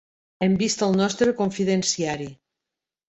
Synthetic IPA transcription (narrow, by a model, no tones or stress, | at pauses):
ɛmbist̪əlˠnɔst̪ɾəkoɱfiðensiaɾi